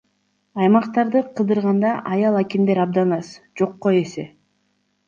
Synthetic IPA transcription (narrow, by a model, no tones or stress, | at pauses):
ɑjmɑqt̪ɑɾd̪ɯqʰɯd̪ɯɾʁɑnd̪ɑʔɑjɑlˠækend̪eɾɑb̚d̪ɑnɑsd͡ʒo̞qːoe̞se